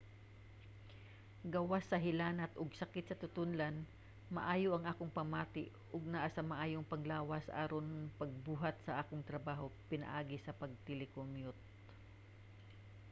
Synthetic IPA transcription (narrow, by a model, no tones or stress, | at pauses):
ɡawasːɐɦɪlaːnɐt̪ʔʊɡsɐkɪt̪̚sɐt̪ʊt̪ʊnlan | mɐ̰ʔaːjoʔɐŋʔaːkoŋpɐmaːt̪ɪʔ | ʊɡ̚naʔasamɐʔaːjoŋpɐŋlaːwɐsʔaːɾonpɐɡ̚buːɦɐt̪̚sɐʔaːkoŋt̪ɾɐbaːɦopɪnɐ̰ʔaːɡɪsɐpɐɡ̚t̪ɪlɪkoŋjot̪̚